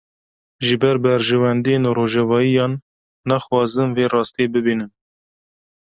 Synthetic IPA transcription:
ʒɨbɛɾbɛɾʒɛwɛnd̪ijenuɾoːʒɛvɑːijɑːnː | ɑxwɑːzɨnveːrɑːst̪eːbɨbiːnɨn

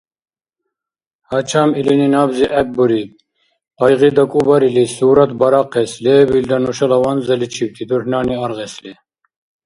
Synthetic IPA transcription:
hɑt͡ʃʰɑmilininɑbziʔɛk̚buɾi | ɑjʁid̪ɑkʼubɑɾilisuːɾɑt̪bɑɾɑqːɛslɛbild̪ɑnuʃɑlɑwɑnzɛlit͡ʃʰiwt̪ʰit̪ʰuhnɑːniɑɾʁɛslɛ

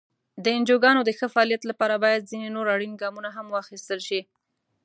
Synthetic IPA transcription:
d̪əɪnd͡ʒoɡɑnod̪əxəfaɑlijat̪lapɑɾabɑjad̪̚zinenoɾaɽinɡɑmunaɦamwɑxist̪əlʃi

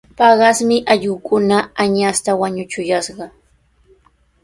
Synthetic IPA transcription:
pɑɢɑsmɪʔaʎʊːkʊnaaɲast̪awaɲʊt͡ʃʊjasɢɑ

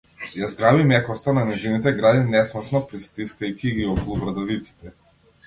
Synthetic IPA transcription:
jazɡɾavimɛkɔst̪ananɛzinit̪̬ɛɡɾad̪inɛsmɔsnɔpɾist̪iskaikʲiɡiɔkɔlˠubɾad̪avit̪si̥t̪ɛ

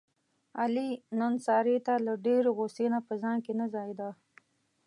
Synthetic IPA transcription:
alinonsɑɾet̪alaɖeɾoɣosenapəzɑŋkenazɑjd̪a

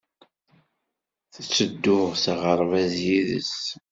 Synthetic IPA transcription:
θət͡sːəd̪ːʊʁsəʁəɾˤvæzjiðə̰s

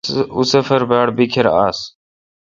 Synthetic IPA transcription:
usəfəɾbaːɽbikʰeɾa̰ːs

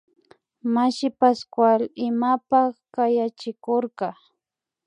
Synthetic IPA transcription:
maʃɪpaskwalɪmapaχkajat͡ʃɪkoɾkɑ

